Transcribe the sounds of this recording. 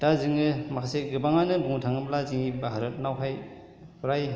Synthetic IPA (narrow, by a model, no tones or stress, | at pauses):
taziŋɯmakʰaseɡɯbaŋanɯbuŋtʰaŋɯmlaziŋibaɦaɾɯt̚nawɦaj | pʰuɾaj